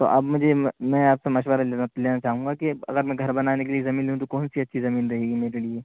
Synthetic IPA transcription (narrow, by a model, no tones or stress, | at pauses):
t̪o̰ʔɐbmʊd͡ʒʱemɛ̃aːpsemaːʃ̬ʋəɾleːnat͡ʃaːɦũːŋɡakeɐ̰ɡəɾmɛ̃ɡʱɐɾbɐnaːnekeliezɐmiːnlɦũt̪okɔːnsiɐtːʃʰizɐmiːnɾɐɦeːɡimeːɾelie